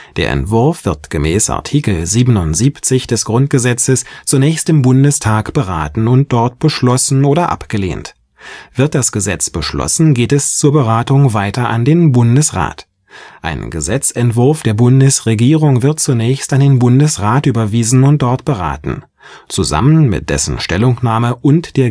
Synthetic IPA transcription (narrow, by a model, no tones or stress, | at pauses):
d̥eːɐʔɛ̰ntv̥ʊɐfv̥ɪɐtɡ̥əmɛːsa̰ɐtʰiːkl̩ziːbənʊntz̥iːpt͡sɪçd̥ɛsɡ̥ʁʊnt̚ɡ̥əzɛt͡səst͡sunɛːçstɪmbʊndəstʰaːkb̥əʁaːtn̩ʊnt̚d̥ɔɐt̚b̥əʃlɔsn̩oːɾɐʔa̰pɡ̥əlḛːnt | v̥ɪɐt̚d̥asɡ̥əzɛt͡sb̥əʃlɔ̰sn̩ɡeːtɛst͡suːɐbəʁaːtʊŋvaɪtɐʔandeːnbʊndəsʁa̰ːt | ʔa̰ɪnɡə̰zɛt͡sɛntv̥ʊɐfd̥eːɐbʊndəsʁeɡiːʁʊŋvɪɐt̚t͡sunɛːçstandeːnbʊndəsʁaːtʔyːbɐviːzn̩ʊnt̚d̥ɔɐtb̥əʁa̰ːtn̩ | t͡suza̰mənmɪ̰t̚d̥ɛ̰sn̩ʃtɛlʊŋnaːməʔʊntd̥eːɐ